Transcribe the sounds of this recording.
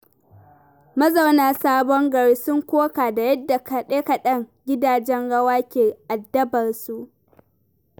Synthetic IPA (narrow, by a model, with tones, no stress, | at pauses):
mɐ˦zɐ˨wnaː˨saː˦bɔ˦ŋɡɐ˨ɽiː˦sʊ˦ŋkʷoː˦kaː˨da˨jɐ˦dːa˨kɗeː˦kɐ˨ɗɐ˦ŋɡʲɪ˦daː˨d͡ʒɛ˦ŋɽɐ˦waː˦kʲeː˨ʔa˨dːɐ˦bɐ˨rsu˦ʔ